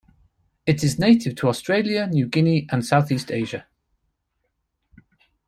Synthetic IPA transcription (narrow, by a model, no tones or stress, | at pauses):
ɪtɪzneɪtʰɪv̥tʰəɒstɹ̥eɪljənjʉːɡɪniʔə̃nsaʊθiˑstʰeɪʒə